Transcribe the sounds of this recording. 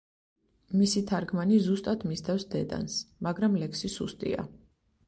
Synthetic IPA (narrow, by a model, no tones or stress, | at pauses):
misit̪ʰaɾɡmanizust̪ʼat̪ʰmist̪ʰɛfsd̪ɛd̪a̰nsmaɡɾamlɛkʰsisust̪ʼḭa̰